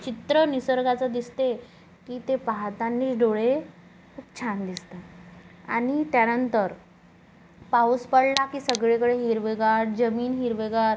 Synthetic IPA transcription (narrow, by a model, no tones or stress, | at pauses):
t͡ɕit̪ɾənisəɾɡat͡sad̪ist̪e | kiːt̪epaɦt̪anːiːt͡sɖoɭe | kʰuːp̚t͡ɕʰand̪ist̪aa̰ɽ̃it̪janənt̪əɾ | pauspəɽlakiːsəɡɭekəɽeɦiɾʋeɡaɾd͡ʑəmiːnɦiɾʋeɡaɾ